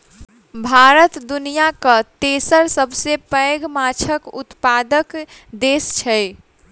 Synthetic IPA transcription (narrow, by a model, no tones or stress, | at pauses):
bʱaɾət̪d̪unijakət̪esəɾsəbsepəeɡmat͡ʃʰəkut̪pad̪ək | d̪est͡ʃʰɛ